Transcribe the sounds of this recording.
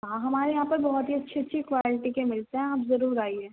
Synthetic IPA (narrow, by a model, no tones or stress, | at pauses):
ɦãɦɐmaːɾejãːpɐɾbɐɦɔt̪ɦiɐtːʃʰiɐtːʃʰikʋaːlɪʈikemɪlt̪eɦɛ̃aːpzɐɾuːɾaːiɛː